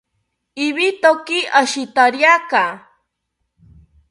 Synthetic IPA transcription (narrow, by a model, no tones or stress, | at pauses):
iβit̪okiʔaʃit̪aɾjaka